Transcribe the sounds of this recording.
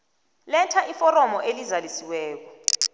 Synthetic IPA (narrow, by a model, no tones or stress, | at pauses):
lɛntʰaʔifɔɾɔmɔʔelizalisiwɛːk̬ɔ